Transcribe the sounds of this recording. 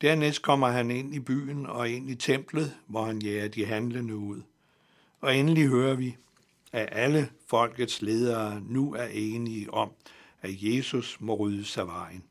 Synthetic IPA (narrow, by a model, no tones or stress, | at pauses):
d̥æɐ̰nesd̥̚kʰɒ̽m̰ɐɦæne̝n̰ib̥y̰ːnɒ̽e̝n̰it͡sʰem̰b̥lð̞̩ˠʋɒhænjɛːɐd̥iɦænlənəuð̞̰ˠ | ɒ̽enəliɦøːɐʋi | æʔæləfɒ̽l̰ɡ̥ð̩ˠsle̝ːð̞ˠɐːnuæɐʔeːniəʔɒ̽m | æje̝ːsusmɒ̽ʁyːðˠəsɑ̈ɪʋɑ̈ɪ̰n̩